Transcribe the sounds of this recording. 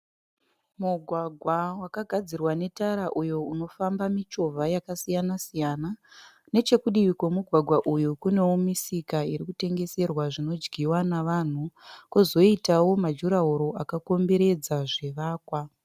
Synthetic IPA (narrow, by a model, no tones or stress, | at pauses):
muɡʱwaɡʱwawakaɡʱad͡zirwane̞taɾaʔujo̞uno̞fambamit͡ʃo̞vʱajakasijanasijaːna | ne̞t͡ʃe̞kuɗiʋikwomuɡʱwaɡʱwaʔujukune̞womisikaiɾikute̞ŋɡe̞se̞rwaʐino̞d͡ʒɡiwanaʋan̤ukuzo̞itawo̞mad͡ʒuɾauɾo̞ʔakako̞mbe̞ɾe̞d͡zaʐe̞ʋaːkwa